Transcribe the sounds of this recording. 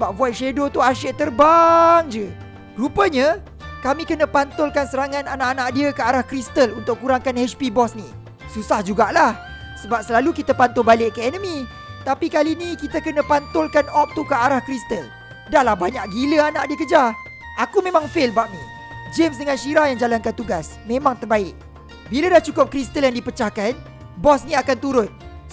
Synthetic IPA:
səbap̚vuat̪̚ʃedot̪uaʃeʔt̪ərbaŋd͡ʒə | ɡ̥ɾupəɲə | kamĩkənə̃pant̪ʊlkansəɾaŋãnanaʔanaʔdiəkəaɾahkɾist̪əlunt̪ʊk̚kːuɾaŋkanhɛspibɔsnĩ | susahd͡ʒuɡaʔlah | səbap̚səlalukit̪apant̪ʊlbalɪʔkəɛnəmĩ | t̪apikalinĩkit̪akənə̃pant̪ʊlkanɔp̚t̪ukəaɾahkɾist̪əl | dahlahbaɲaʔɡiləanaʔdiəkəd͡ʒa | ʔakumẽmãŋfɪlbaʔ̚nḭ̃ | d͡ʒems̬dəŋãnʃiɾahjaŋd͡ʒalankant̪uɡasmẽmãŋt̪ərbaɪʔ̚ | biladaht͡ʃukʊp̚kɾist̪əljaŋdipət͡ʃahkan | bɔsnĩakant̪uɾʊt̪̚

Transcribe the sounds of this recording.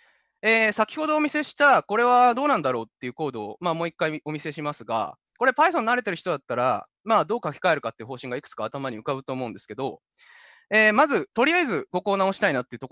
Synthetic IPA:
e̞ːsakʲi̥ho̞d̪o̞ːmʲise̞ɕi̥t̪ako̞ɾe̞β̞ad̪o̞ːnãnd̪aɾo̞ːt̪ːe̞iɯ̟ko̞ːd̪o̞ːmamo̞ːikːaio̞mʲise̞ɕimasɨɡa̰ | ko̞ɾe̞pais̬õ̞nːaɾe̞t̪̬e̞ɾɯ̟çi̥t̪o̞d̪at̪ːaɾa̰ | maːd̪o̞ːkakʲi̥kae̞ɾɯ̟kat̪ːeiɯ̟ɦo̞ːɕĩŋɡaikɯ̥t͡sɨ̥kaːt̪amaɲ̟iɯ̟kaɯ̟t̪oːmo̞ɯ̟̃nd̪e̞sɨ̥ke̞d̪o̞ | eːmazɨt̪o̞ɾʲijaizɨɡo̞ko̞ːnãːo̞ɕi̥t̪ainat̪ːe̞iɯ̟t̪ok

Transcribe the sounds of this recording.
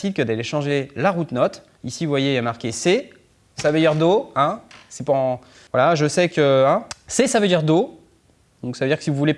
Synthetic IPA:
sid̪̚kəd̪aleʃɑ̃ʒelaʁut̪nɔt̪ | isiuvwajeamaʁkʲese | savød̪iʁd̪oɛ̃sɛpaɑ̃ | vwalaʒəsɛkʲəɛ̃sɛsavød̪iʁd̪o | d̪ɔ̃ksavød̪iʁkə̥sivuvule

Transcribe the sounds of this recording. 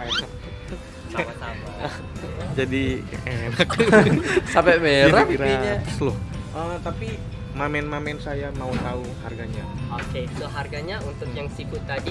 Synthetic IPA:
ana | amat̪ama | d͡ʒadienak | sampɛmeɾaiɾaɲaslʊhʔət̪api | mamɛnmamɛnsajamaut̪aʊharɡaɲa | okeloɦarɡaɲaunt̪ʊkjaŋsibʊt̪ːadi

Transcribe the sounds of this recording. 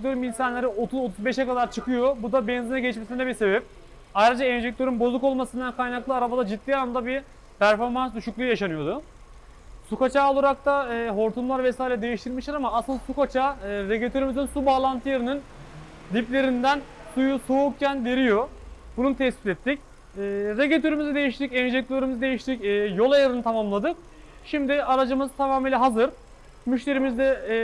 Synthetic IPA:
ɛt̪ʰøɾyminsanlʲˠeɾiot̪ʰuzot̪ʰuzbɛʃɛkad̪aɾt͡ʃʰɯkʰɯjo̞bud̪abɛnzinɛɟeit͡ʃmesind̪ɛbise̞bɛp̚ | ajɾad͡ʒaɛnd͡ʒec̚t̪ʰø̞ɾynbo̞zuko̞lˠmasɯnd̪ankʰajnaklˠɯaɾabad̪ad͡ʒitd̪ːiːjanamd̪abi | pʰæɾfo̞ɾmansd̪uʃuklˠujjaʃanɯjo̞d̪ʊ | sukat͡ʃaːolˠuɾak̚t̪ʰaɦo̞ɾt̪ʰunlˠaɾvesaːjilʲɛd̪e̞jiʃt̪ʰiɾmiʃlʲˠaɾamaːslˠɯnasukat͡ʃʰaɾeɟet̪ʰøɾymizinsubaːlˠant̪ʰɯjaɾɯnɯn | d̪iplʲe̞ɾind̪æn | sujusouk̚cʰænve̞ɾijo̞ | bununut̪ʰɛspit̪ɛt̪ʰːicː | ɾeɟet̪ʰøɾymizɛd̪ejiʃt̪ʰicɛnd͡ʒɛc̚lʲilʲeɾymizɛd̪e̞jiʃt̪ʰicːjo̞lˠajaɾɯnɯt̪ʰamamlˠad̪ɯk̚ | ʃimd̪ɪaɾad͡ʒɯmɯzt̪ʰamamilʲɛɦazɯɾ | myʃlʲe̞ɾimizd̪ɛ

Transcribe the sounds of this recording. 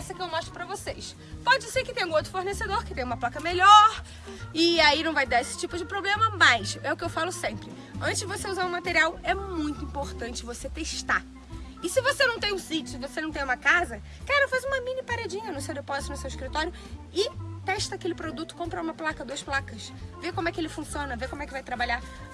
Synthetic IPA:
ɛsɐkɪewmɔʃt̪ɾʊpɾɐvosejs | pɔd͡ʒɪseɾkɪt̪ẽj̃ũowt̪ɾʊfoɾnesed̪oɾkɪt̪ẽj̃ũmɐplakɐmeʎɔɾ | ɪainɐ̃w̃vajd̪aesɪ̥t͡ʃipʊd͡ʒɪpɾoblẽmɐmɐjʃɛʊkɪewfalʊsẽpɾɪ | ɐ̃t̪ɪzd͡ʒɪvoseuzaɾũmat̪eɾiawɛmũj̃t̪ʊĩmpoɾt̪ɐ̃nt͡ʃɪvoset̪eʃt̪a | ɪsɪvosenɐ̃w̃t̪ẽj̃ũsit͡ʃʊsɪvosenɐ̃w̃t̪ẽj̃ũmɐkazɐ | kaɾefajzũmɐmĩnipaɾad͡ʒĩɲɐnũsewd̪epɔzɪt̪ʊnʊsewɪʃkɾit̪ɔɾjʊ | ɪt̪ɛʃt̪ɐakelɪpɾod̪ut̪ʊ̥kõpɾɐũmɐplakɐd̪uɐsplakɐʃvekõmʊɛkɪelɪfũsiõnɐvekõmʊwɛkɪvajt̪ɾabaʎa

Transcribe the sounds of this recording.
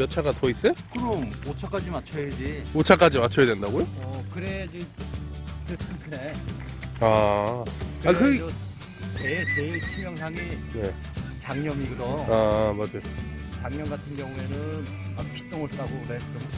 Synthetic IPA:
mjʌt͡ɕʰaɡatʌis͈ekɯɾʌmot͡ɕʰak͈ad͡ʑimat͡ɕʰojed͡ʑiot͡ɕʰak͈ad͡ʑimat͡ɕʰʌjadwe̞ndaɡojoʌkɯɾe̞d͡ʑi | tɯsɯntʰɯne̞ | a | kɯakɯʌ | net͡ɕet͡ɕʰimjʌŋsʰaŋine | t͡ɕaŋɲʌmiɡɯdʌamad͡ʑajot͡ɕaŋɲʌnɡatʰɯnɡjʌŋue̞nɯn | mak̚pʰi̥t͈oŋɯɭs͈aɡoɡɯɾeʌm

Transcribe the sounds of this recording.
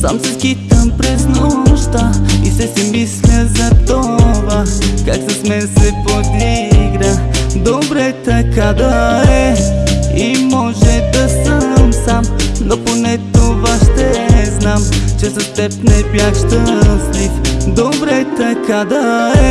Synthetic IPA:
sa̰msɛskit̪əmpɾɛznɔʃt̪əisɛsimislʲəzɐt̪ovakaksɐsmɛnsɛpod̪iɡɾad̪obɾɛt̪ɐkad̪ɐɛɛ | imɔʒɛd̪ɐsəmsamnoponɛt̪ovaʃt̪ɛznamt͡ʃɛsɐst̪ɛp̚nɛbjaxʃt̪əslifd̪obɾɛt̪ɐkad̪ɐɛ

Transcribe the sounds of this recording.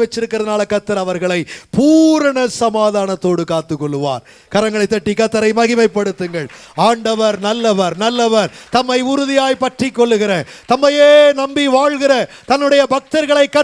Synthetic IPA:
ʋɐt͡ʃːɪɾɯkːɪɾrɐðɐnaːlɐkɐt̪ːɐɾɐʋɐɾɣɐɭɐɪpuːɾɐɳɐsɐmaːðaːɳɐt̪ːoːɽɯkaːt̪ːɯkːɔɭːɯʋa̰ːɾ | kɐɾɐŋɡɐɭɐɪt̪ːɐʈːikɐt̪ːɐɾɐɪmɐɣɪmɐɪpːɐɽɯt̪ːɯŋɡɐɭ | aːɳɖɐʋɐɾnɐlːɐʋɐɾnɐlːɐʋɐɾt̪ɐmːɐɪʊɾʊðɪjaːjpɐʈrikːɔɭːɯɣɪɾɐt̪ɐmːɐjeːnɐmbiʋaːɻɣɪrɐ | t̪ɐnːɯɽɐjɐbʱɐk̚t̪ɐɾɣɐɭɐɪkːɐ

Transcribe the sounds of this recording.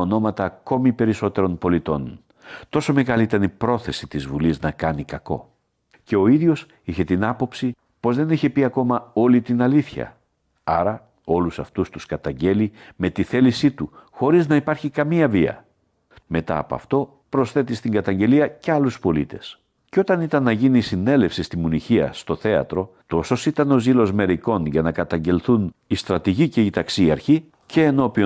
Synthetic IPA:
ono̞mɐt̪ɐːko̞mipe̞ɾiso̞t̪e̞ɾo̞npo̞lit̪o̞̰n | t̪o̞so̞me̞ɣɐliit̪ɐnipɾo̞θe̞sit̪izvuliznɐkɐnikɐko̞̰ | ce̞o̞iðʝo̞s | içe̞t̪inɐpo̞psi | po̞zðe̞niçepiɐko̞mɐo̞lit̪inɐliθçɐ̰ | ɐɾɐ | o̞lusɐft̪ust̪uskɐt̪ɐɲɟe̞lime̞t̪iθe̞lisit̪uxo̞ɾiznɐipɐɾçikɐmiɐviɐ̰ | me̞t̪ɐ̰ːpo̰ɐ̰ft̪o̞ | pɾo̞sθe̞t̪ist̪iŋɡɐt̪ɐɲɟe̞liɐceɐluspo̞lḭt̪e̞s | ceo̞t̪ɐnit̪ɐnːɐʝinisine̞le̞fsist̪imuniçiɐ̰st̪oθe̞ɐ̰t̪ɾo̞t̪o̞so̞sit̪ɐno̞zilo̞zme̞ɾiko̞nʝɐnɐkɐt̪ɐɲɟe̞lθunist̪ɾɐt̪iʝice̞it̪ɐksiɐɾçi | ce̞ːno̞pio

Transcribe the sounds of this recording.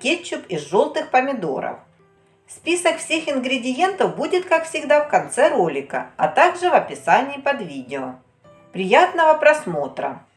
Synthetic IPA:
kʲet͡ɕːʊpɪzʐo̞lˠt̪ɨxpəmʲɪd̪o̞̰ɾə̰f | fspʲisəkfsʲexɪnɡɾʲɪdʲɪje̞nt̪əfbudʲɪt̪kakfsʲɪɡd̪afkɐnt̪sɛɾo̞lʲɪkə̰ɐt̪aɡʐɨvɐpʲɪsanʲɪːpɐd̪vʲidʲɪo | pɾʲɪjat̪nəvəpɾɐsmo̞t̪ɾə̰

